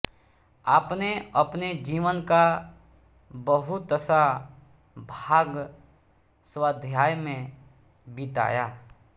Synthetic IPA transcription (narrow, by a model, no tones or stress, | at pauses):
aːpneɐpned͡ʒiːʋənka | bəɦʊt̪əsa | bʱaːɡ | swaːd̪ʱjaːjmẽ | bɪt̪a̰ːjaː